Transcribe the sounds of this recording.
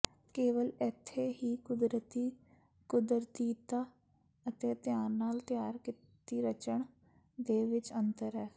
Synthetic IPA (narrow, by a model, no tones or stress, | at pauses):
keːʋəlɪt̪ʰːeɦiːkʊd̪ɾət̪i | kʊd̪ɾt̪iːt̪aː | ət̪eːt̪jaːɾnaːlt̪jaːɾkɪ | t̪iːɾət͡ʃəɳ | d̪eːʋɪt͡ʃə̃nt̪əɾɦɛː